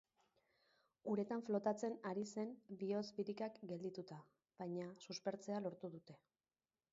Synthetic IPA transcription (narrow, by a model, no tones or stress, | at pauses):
uɾe̞t̪aɱflo̞t̪at͡se̞naɾise̞nbio̞zβiɾikakɡe̞ld̪it̪ut̪a | β̥ajɲasuspe̞ɾt͡se̞alo̞ɾt̪uðut̪e̞